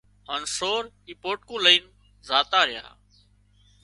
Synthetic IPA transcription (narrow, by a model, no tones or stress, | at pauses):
ɦaːnsoːɾ | iːpoːʈ̚kũːləiːn | zaːt̪aːɾɪja̰ː